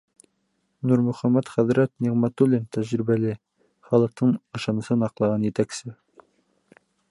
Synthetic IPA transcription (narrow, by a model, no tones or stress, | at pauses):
nuɾmɵ̆χæmæt̪χæðɾæt̪niʁmæt̪ulʲent̪æʑɾibælɘ | χɑlˠɤ̆q̚t̪ʰɤɴɤ̆ʃɑnɤ̆sɤnɑqlˠɑʁɑnjɘt̪æksɘ